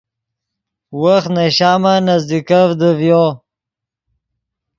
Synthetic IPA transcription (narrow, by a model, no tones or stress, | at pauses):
wəxnaɕaːmanazd̪ikavd̪əvjo